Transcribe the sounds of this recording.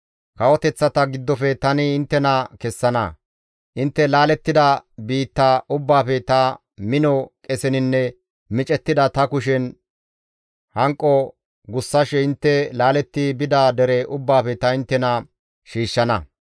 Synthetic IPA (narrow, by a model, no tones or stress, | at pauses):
kɐwɔt̪ɛt͡sːɐt̪ɐɡɪd̪ːɔfɛt̪ɐnɪːnt̪ːɛnɐkɛsːɐnɐ̰ | ʔɪnt̪ːɛlaːlɛt̪ːɪd̪ɐbiːt̪ːaʊbːaːfɛt̪ɐ | mɪnɔkʼɛsɛnɪnːɛ | mɪt͡ʃʼɛt̪ːɪd̪ɐt̪ɐkʊʃɛn | hɐŋkʼːɔ | ɡʊsːɐʃɛɪnt̪ːɛlaːlɛt̪ːɪbɪd̪ad̪ɛɾɛʔʊbːaːfɛt̪ɐɪnt̪ːɛnɐ | ʃiːʃːɐnɐ